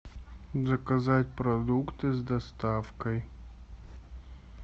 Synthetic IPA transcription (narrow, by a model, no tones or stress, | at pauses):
zɐkɐzatʲpɾɐd̪ukt̪ɨzd̪ɐst̪afkɐj